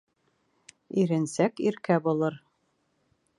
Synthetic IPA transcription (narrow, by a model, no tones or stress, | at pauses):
iɾɘ̆nsækiɾkæbulˠɤɾ